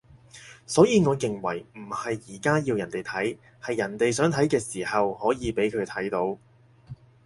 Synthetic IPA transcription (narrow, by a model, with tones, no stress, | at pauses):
sɔː˨˥jiː˨˧ŋɔː˨˧kɪ˨ŋwɐ˨˩jm̩˨˩hɐ˨jːiː˨˩kaː˥ji˧wjɐ˨˩nt̪e˨jt̪ʰɐ˨˥j | hɐ˨jːɐ˨˩nt̪e˨jsœː˨˥ŋt̪ʰɐ˨˥jkɛː˧siː˨˩hɐ˨whɔː˨˥jiː˨˧pe˨˥jkʰɵ˨˧t̪ʰɐ˨˥jt̪o˨˥w